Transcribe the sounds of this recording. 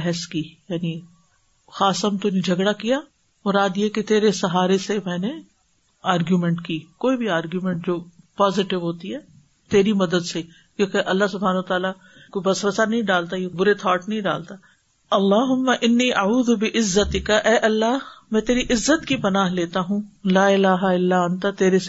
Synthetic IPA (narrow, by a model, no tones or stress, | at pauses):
ɦɛskiːjaːni | xaːsəmt̪ʊnid͡ʒʱɐɡɽakija | mʊɾaːd̪jeket̪eːɾesɐɦaːɾesemɛ̃ːne | aːɾɡjumɛ̃ɳʈkiːkoːibʱiaːɾɡjumɛ̃ɳʈ̚d͡ʒoːpaːzɪʈɪʋɦoːt̪iɦɛː | t̪eːɾimɐd̪əd̪se | kjõːkeʔɐlːasʊbʱaːnɐət̪aːla | kobɐsʋəsanɐɦĩɖaːlt̪ajebʊɾet̪ʰaːʈnɐɦĩɖa̰ːlt̪aː | ɐlːaːɦʊmːɐʔɪnːiːʔɐuːðʊbɪʔɪzːət̪ɪkɐʔɛːʔɐlːamɛ̃ːt̪eːɾiʔɪzːət̪kipɐnaːɦleːt̪aɦũːlaːɪlaːɦaɪlːaɐ̃nt̪at̪eːɾes